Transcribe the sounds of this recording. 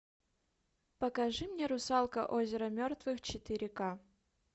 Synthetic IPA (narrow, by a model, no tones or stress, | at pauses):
pəkaʐɨmnʲeɾʊsɑlˠkə̰ʔozʲɪɾəmʲort̪vɨxt͡ɕɪt̪ɪɾʲɪka